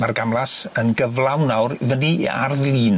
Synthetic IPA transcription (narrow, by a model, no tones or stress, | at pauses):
marɡamlˠas | ənɡəvlˠawnawrvənḭa̰rðlˠiːn